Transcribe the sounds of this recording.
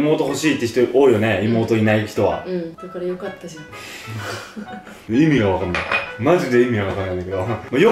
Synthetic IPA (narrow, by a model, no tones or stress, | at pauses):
mo̞ːt̪o̞ɦo̞ɕiːt̪ːeçi̥t̪oʔoːijo̞neimo̞ːt̪o̞inaiç̥t̪o̞βa̰d̪akaɾajokat̪ːa | imʲiɡaβakanːajmaʑid̪e̞imʲiɡaβakanːãnːaiked̪omoːjo